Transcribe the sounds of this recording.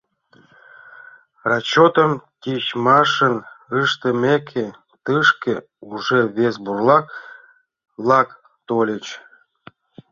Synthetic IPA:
rɑt͡ɕot̪əmt̪ʲiɕmɑʃənɨʃt̪ə̆mʲekʲʰe | t̪ɨʃke | uʐeβesburlˠɑk | lˠɑk | t̪olʲət͡ɕ

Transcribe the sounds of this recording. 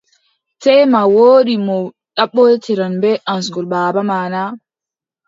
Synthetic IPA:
tɛjmawoːɗimɔ | ɗaɓːɔtʰiɾanbɛʔansŋɡɔlbaːbamaːna

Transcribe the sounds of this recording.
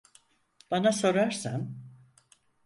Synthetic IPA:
b̥anaso̞ɾaɾsan

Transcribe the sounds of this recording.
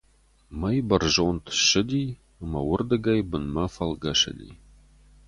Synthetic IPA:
mɐjbɐrʒont̪ʃɨdʲi | əmɐwʊrd̪ɨɡɐjbɨnmɐfɐlɡɐʂə̰dʲḭ

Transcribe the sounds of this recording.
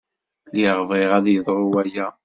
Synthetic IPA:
liʁvɪʁæðjəðˤɾˤuwæjæ

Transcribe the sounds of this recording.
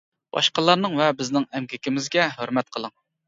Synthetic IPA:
b̥ɑ̰ʃqɑlˠɑɾnɨŋvɛbɪznɪŋɛmkʲɪkʲɪmɪzɡʲɛɦøɾmɛt̪̚qʰəlˠəŋ

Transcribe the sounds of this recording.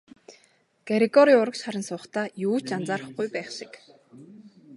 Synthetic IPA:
ɡ̥eɾiɡɔɾiːʊɾə̆kʃχaɾʲə̆nsʊːχt̪ʰaːjuːt͡ɕt͡ɕant͡saːɾə̆χɡujpæːχʃɪ̥̆k

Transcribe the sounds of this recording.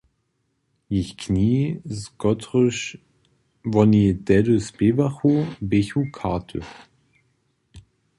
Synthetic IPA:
jɪçkʰniːsɡɔtʁʏʃ | vɔnidɛdəspevaχobeçukʰatʰə̰

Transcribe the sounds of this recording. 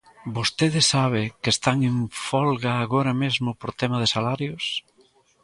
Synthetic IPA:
bost̪eðɪsaβ̞ɪkɪest̪aŋeɱfɔlɣaːɣoɾɐmezmʊpoɾt̪ɛmɐðɪsalaɾjʊs

